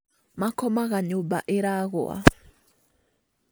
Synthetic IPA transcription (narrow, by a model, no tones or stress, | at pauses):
makɔmaɣaɲomba̰ʔeɾaɣo̰a̰